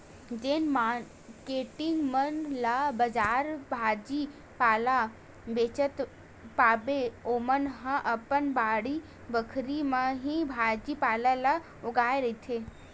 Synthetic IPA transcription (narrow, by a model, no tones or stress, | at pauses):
d͡ʒeːnmaɾ | keːʈɪŋɡmənlabəd͡ʒaːɾbʱaːd͡ʒi | paːla | beːt͡ʃət̪ | paːbeoːmənɦə̃ʔəpənbaːɽi | bəkʰɾimə̃ɦĩbʱaːd͡ʒipaːlala | ʊɡaːeɾɐit̪ʰe